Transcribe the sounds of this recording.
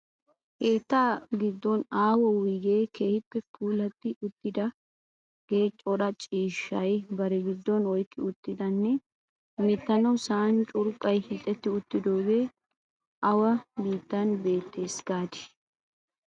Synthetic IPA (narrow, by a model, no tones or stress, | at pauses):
heːt̪ːaːɡɪd̪ːɔnaːwɔwɪɡe̞ːkʰe̞ːhɪpːɛpʰuːlɐt̪ːɪʊt̪ːɪd̪ɐ | ɡ̥e̞ːt͡ʃʼɔɗɐt͡ʃʼiːʃːɐjbɐɾɛɡɪd̪ːɔnɔjkːɪʊt̪ːɪd̪ɐnːɛ | mɪt̪ːɐnɐwsaːnt͡ʃʼʊɾkʼːɐjhɪt̪ʼːɛt̪ːɪʊt̪ːɪd̪oːɡeː | ʔɐwɐbiːt̪ːɐnbe̞ːt̪ːe̞ːsɡ̥aːt̪ɪ̥